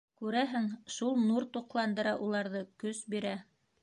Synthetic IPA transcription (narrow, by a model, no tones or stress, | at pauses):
kʉɾæɦɘŋʃulˠnuɾt̪uqlˠɑnd̪ɤ̆ɾɑʔulˠɑɾðɤkɵsbiɾæ